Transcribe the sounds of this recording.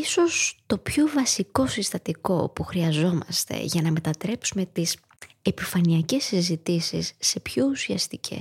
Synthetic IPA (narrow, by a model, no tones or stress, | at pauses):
iso̞st̪o̞pçovɐsiko̞sist̪ɐt̪iko̞puxɾiɐzo̞mɐ̰st̪e̞̰ʝɐnɐme̞t̪ɐt̪ɾe̞psume̞t̪is | e̞pifɐniɐce̞sizit̪isḭsːe̞pçousiɐ̰st̪icʰḛ